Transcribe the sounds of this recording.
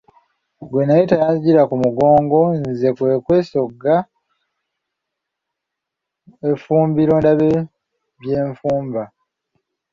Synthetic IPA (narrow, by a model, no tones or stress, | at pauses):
ɡwenajetajaziɟiɾakumuɡo̞ːŋɡo̞nze̞kwe̞kwe̞ːso̞ɡa | efuːmbiɾo̞ndaβe | βje̞ːɱfuːmba